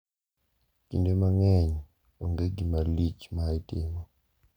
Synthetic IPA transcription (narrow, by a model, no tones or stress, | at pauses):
kḭndɛmaŋɛɲi | oŋɡeɡimalit͡ʃmaitemɔ